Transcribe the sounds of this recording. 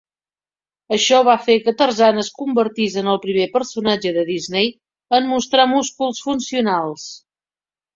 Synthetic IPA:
əʃɔβafekət̪ərzanəskumbəɾt̪izənəlˠpɾimepəɾsunad͡ʒəðəðiznej | ənmust̪ɾamuskulˠsfunsiunalˠs

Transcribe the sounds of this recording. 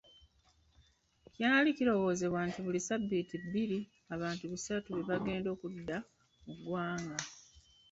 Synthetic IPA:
caːnaliciɾo̞ɣo̞ːze̞βwaːntiβulisabːitibiɾi | aβaːntuβusatuβe̞βaɡe̞ːndo̞ːkudːa | muɡwaːŋɡa

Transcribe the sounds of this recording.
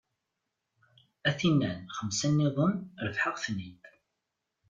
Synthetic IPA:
æθinːænχəmsænːiðˤənɾəfħəʁθnid̪

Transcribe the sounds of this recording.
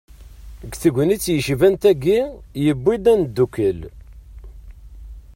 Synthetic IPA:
ɡθəɡʷənit͡sːjəʃvænt̪æɡijəbːid̪ænd̪ːukəl

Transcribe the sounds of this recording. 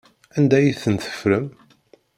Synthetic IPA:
ænd̪æjiθənθə̥fɾəm

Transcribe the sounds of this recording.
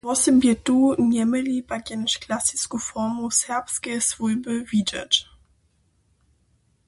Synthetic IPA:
vɔsəmbʲjɛt̪uɲɛmɘlʲipakʲɛnʂklasiskufɔmusɛʁpskʲɛsvujbɘvʲid͡ʒa̰t͡ʃ

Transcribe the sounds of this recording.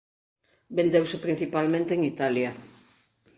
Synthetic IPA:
bend̪ewsɪpɾin̟θipalmẽnt̪eŋit̪aljɐ

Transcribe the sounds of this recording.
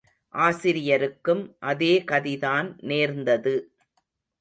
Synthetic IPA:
ʔaːsɪɾɪjɐɾɯkːɯmʔɐðeːkɐðɪðaːnneːɾnd̪ɐðɯ

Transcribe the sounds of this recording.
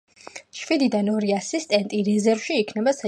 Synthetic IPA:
ʃwid̪id̪anɔɾiasist̪ʼɛnt̪ʼiɾɛzɛɾvʃiːkʰnɛbasa

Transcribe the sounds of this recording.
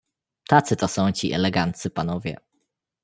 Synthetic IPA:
t̪at̪sɨt̪ɔsɔ̃w̃t͡ɕiʔɛ̰lɛɡant̪sɘpanɔvʲjɛ̰

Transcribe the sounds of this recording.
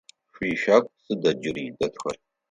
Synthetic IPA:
ʂʷiʃᶣakʷʼsɨdɐd͡ʒɪrdɐtʰxɐ̰r

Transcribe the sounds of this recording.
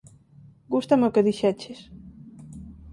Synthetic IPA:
ɡust̪amokeðiʃɛt͡ʃes

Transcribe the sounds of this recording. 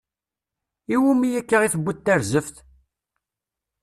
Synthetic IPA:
iwumijækːaʁiθəbʷːʊt̪ːæɾzəfθ

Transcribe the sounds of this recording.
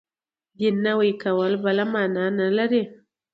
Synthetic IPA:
binːawikawalbalamananalaɾe

